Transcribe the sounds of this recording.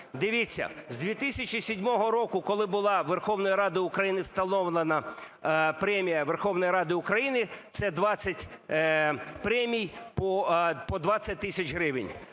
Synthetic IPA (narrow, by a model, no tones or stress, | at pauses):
d̪ɪʋʲit͡sʲːɐ̰zd̪ʲʋʲit̪ɪsʲɐt͡ʃʲisʲɪdʲmɔɦɔɾɔkʊkɔlˠɪbʊlˠɑʋerxɔʋnɔjiɾɑd̪ɪʊkɾɐjinɪwst̪ɐlɔʋlˠenɐ | pɾɛmʲijɐʋerxɔwnɔjiɾɑd̪ɪʊkɾɐjinɪt̪sɛd̪ʋɑt͡sʲːɐtʲ | pɾɛmʲijpɔpɔd̪ʋɑt͡sʲːɐt̚ʲt̪ɪsʲɐt͡ʃɦɾɪʋɪ̰nʲ